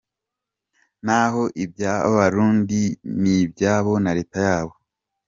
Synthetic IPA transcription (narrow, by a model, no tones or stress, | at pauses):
naɦo̞ʔibjaːβa̰βaɾuːndinibjaːβo̞naɾe̞ːtajaːβo̞